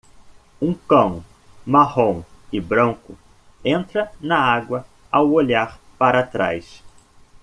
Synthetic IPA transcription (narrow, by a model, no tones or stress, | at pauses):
ũkɐ̃w̃ | mahõw̃ɪbɾɐ̃ŋkʊ | ẽnt̪ɾɐnɐaɡwɐ | awoʎaɾpaɾɐat̪ɾa̰js